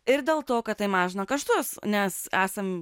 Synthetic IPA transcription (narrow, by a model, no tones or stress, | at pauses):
ɪɾd̪ʲeːlˠt̪oːkɐt̪̚t̪ɐɪmɑːʒʲɪnɐkɐʃt̪uɔsnʲɛsæːsɐm